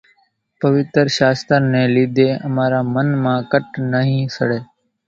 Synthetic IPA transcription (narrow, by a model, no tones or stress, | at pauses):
pəʋɪt̪ɾʃaːst̪əɾnẽːliːd̪ʱeːəmaːɾaːmənmãːkəʈnəɦĩːsə̰ɽeː